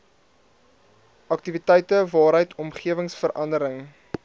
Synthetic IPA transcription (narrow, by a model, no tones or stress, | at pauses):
ɐk̚tivitɛjtəvɑːɾɦəjtʰɔmχiəvəŋsfəɾʔɐndəɾəŋ